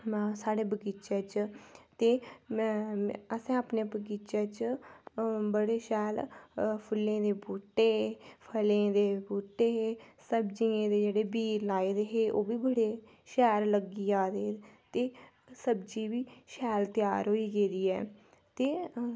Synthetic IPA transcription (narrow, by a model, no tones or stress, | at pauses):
saːɽeːbəɡiːt͡ʃeːt͡ʃt̪eː | əsãːaːpneːbəɡiːt͡ʃaːt͡ʃ | bəɽeːʃɛːlpʰʊlːẽːd̪eːbuːʈːeːpʰəlẽːd̪eːbuːʈːeːesəbd͡ʒiãːd̪eːd͡ʒeːɽeːbiːɾlaːeːd̪eːɦeːʔoːbiːbəɽeː | ʃɛːɾləɡiːaːd̪eːt̪eː | səbd͡ʒiːʋiːʃɛːlt̪ɪjaːɾɦoːiːɡeːd̪iːɛ̰ː | t̪eː